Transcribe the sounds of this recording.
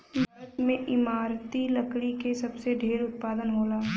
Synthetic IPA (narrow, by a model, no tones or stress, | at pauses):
bʱaːɾət̪mẽʔɪmaːɾt̪ilɐkɽikesɐbseɖʱeːɾʊt̪̚paːd̪ənɦoːlaː